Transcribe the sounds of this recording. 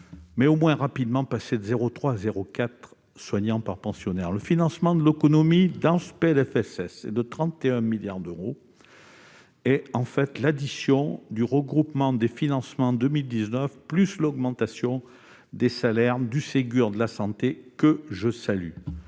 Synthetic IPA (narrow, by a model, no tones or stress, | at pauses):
mɛomwɛ̃ʁapid̪mɑ̃pased̪əzeʁot̪χwaːzeʁokat̪χ | swaɲɑ̃paʁpɑ̃sjɔnɛʁləfinɑ̃smɑ̃d̪əlekɔnɔmid̪ɑ̃səpeɛlɛfɛsɛsḛd̪ət̪χɑ̃t̪eɛ̃miljaʁd̪øʁo | ɛɑ̃fɛt̪lad̪isjɔ̃d̪yʁəɡʁupmɑ̃d̪efinɑ̃smɑ̃d̪əmild̪iznœfplyslɔɡmɑ̃t̪asjɔ̃ | d̪esalɛʁd̪yseɡʲyʁd̪əlasɑ̃t̪ekəʒəsaly